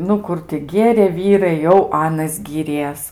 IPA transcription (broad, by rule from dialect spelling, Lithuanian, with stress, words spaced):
ˈnʊ ˈkʊr tʲɪ ˈɡʲeːrʲeː ˈʋʲiːrɐɪ jɛʊ ˈɑːnɐs ɡʲiːˈrʲiɛs